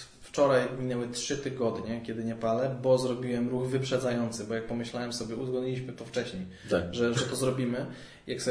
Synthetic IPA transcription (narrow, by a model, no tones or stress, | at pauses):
ft͡ʂɔɾajmʲinɛwɛtʂɘt̪ɘɡɔd̪ɲɛkʲɛd̪ɘɲɛpalɛbɔzɾɔbʲiwɛmɾuɣvɘpʂɛd̪zajɔnt̪sɘbɔjak̚pɔmɘɕlawɛmsɔbʲjɛuzɡɔd̪ɲilʲiɕmɘt̪ɔft͡ʂɛɕɲej | ʐɛʐɛt̪ɔzɾɔbʲimɘ | jaksɛ